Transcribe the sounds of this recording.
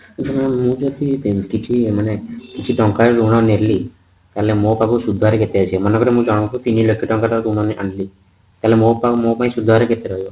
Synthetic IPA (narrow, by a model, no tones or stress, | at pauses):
t͡ʃʰammũd͡ʒɔt̪ikit͡ʃʰimanekit͡ʃʰiʈɔŋkaɾeɾuɽ̃ɔneɾli | t̪alemopakusud̪ʱːaɾeket̪eat͡ʃʰiemɔnekɔɾemũd͡ʒaɽ̃ũt͡ʃʰupiniləkʰːiʈɔ̃ŋkaɾaɾuɽ̃ɔnʔaɳɖli | t̪aɦlemopamopaĩsud̪ʱːaɾeket̪eɾɔɦjo